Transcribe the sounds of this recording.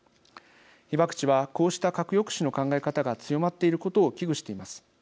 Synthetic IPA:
çibakɯ̟̥t͡ɕiβako̞ːɕi̥t̪akakɯ̟jo̞kɯ̟̥ɕino̞kãŋɡaekat̪aɡat͡sɨjo̞mat̪ːe̞iɾɯ̟ko̞t̪o̞ːkʲiɡɯ̟ɕi̥t̪e̞imasɨ̥

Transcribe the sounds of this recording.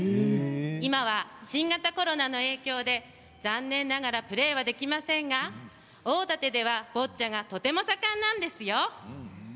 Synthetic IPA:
imaβaɕĩŋɡat̪ako̞ɾo̞nano̞e̞ːkʲo̞ːd̪e̞ | zãnːẽ̞nːaɡaɾapɯ̟ɾe̞ːβad̪e̞kʲimasẽ̞ŋɡa | oːt̪at̪e̞d̪e̞β̞ab̥o̞tt͡ɕaŋɡat̪o̞t̪e̞mo̞sakãnːãnd̪e̞sɨjo̞

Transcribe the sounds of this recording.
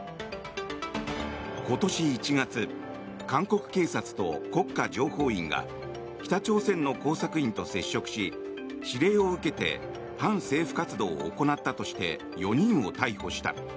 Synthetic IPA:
ko̞t̪o̞ɕiːt͡ɕiɡat͡sɨ | kãŋko̞kɯ̟̥ke̞ːsat͡sɨ̥t̪o̞̰ko̞kːad͡ʑo̞ːho̞ːḭ̃ŋɡa̰ | kʲi̥t̪at͡ɕo̞ːsẽ̞nːo̞ko̞ːsakɯ̟ĩnt̪o̞se̞ɕːo̞kɯ̟̥ɕi | ɕiɾe̞ːo̞ɯ̟ke̞t̪e̞̰ | pãɰ̃se̞ːɸɯ̟̥kat͡sɨd̪o̞̰ːko̞nat̪ːat̪o̞ɕi̥t̪e̞̰ | jo̞ɲ̟ĩɰ̃o̞̰t̪aiho̞ɕi̥t̪a̰

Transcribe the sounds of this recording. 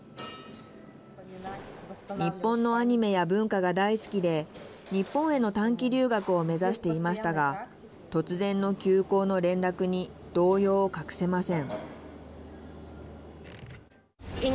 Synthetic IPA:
ɲ̟ipːõ̞nːo̞aɲ̟ime̞jabɯ̟̃ŋkaɡad̪aisɨ̥kʲid̪e̞ | ɲ̟ipːõɰ̃e̞no̞t̪ãŋkʲiɾʲɨːɡakɯ̟o̞me̞zaɕi̥t̪e̞imaɕi̥t̪aɡa | t̪o̞t͡sɨzẽ̞nːo̞kʲɨːko̞ːno̞ɾẽ̞nɾakɯ̟ɲ̟id̪̥o̞ːjo̞ːkakɯ̟̥se̞masẽ̞ɴ

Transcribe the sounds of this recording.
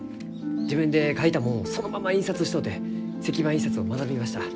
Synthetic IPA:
d͡ʑibɯ̟̃nd̪e̞kait̪amoːso̞no̞mamaĩɰ̃sat͡sɨɕi̥t̪o̞d̪e̞ | se̞kʲibãĩsat͡sɨo̞manabimaɕi̥t̪a

